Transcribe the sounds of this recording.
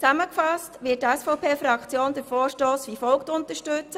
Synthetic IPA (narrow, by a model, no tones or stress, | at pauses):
t͡sæməkfɑstʋɪətæsfɔʊpʰeːfɾɑkt͡sjoːnd̥̪əɾfɔːɾʃtoːsʋifɔlktʊnt̪əɾʃtʉt͡sə